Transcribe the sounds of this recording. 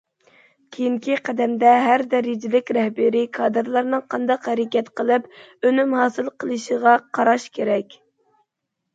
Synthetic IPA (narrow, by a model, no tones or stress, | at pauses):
kʲʰejiŋkʲiqʰæd̪ɛmd̪ɛɦæɾd̪ɛɾɪd͡ʒɪlɪkʲɾɛhbɪɾɪkʰɑːd̪ɨɾlˠɑɾnɨŋqʰɑnd̪ɑqhɛɾɪkʲɛt̪qʰəlˠɨpønymhɑːsɨlˠqʰəlˠɨʃəʁɑqʰɑɾɑʃkʲʰeɾɛkʲ